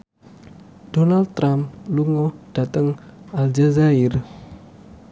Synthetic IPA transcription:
d̥onal̚t̪ːɾamluŋɔd̥a̤t̪əŋald͡ʒazaɪr

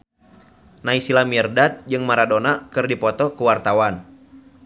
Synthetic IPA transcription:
naisilamirdat̪̚d͡ʒɨŋmaɾadonakɨrdipɔt̪ɔkuwart̪awan

